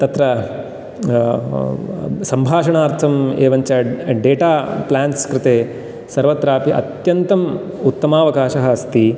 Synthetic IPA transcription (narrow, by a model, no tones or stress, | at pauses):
t̪ɐt̪ɾɐ | sɐmbʱaːʂɐɳaːɾt̪ʰɐmeːʋɐɲt͡ʃɐɖeːʈaːplaːnskɾɪt̪eː | sɐɾʋɐt̪ɾaːpiʔɐ̰t̪jɐnt̪ɐm | ut̪ːɐmaːʋɐkaːʃɐɦɐɐst̪i